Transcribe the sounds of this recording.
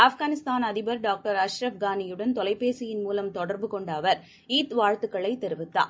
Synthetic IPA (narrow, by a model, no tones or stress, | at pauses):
ɐfɡaːnɪst̪aːnɐðɪbɐɾɖaːk̚ʈɐɾɐʃɾɐfɡaːnɪjɯɽɐnt̪ɔlɐɪpːeːsɪjɪnmuːlɐmt̪ɔɽɐɾbɯkɔɳɖɐʋɐɾ | iːt̪ʋaːɻt̪ɯkːɐɭɐɪt̪ːɛɾɯʋɪt̪ːa̰ː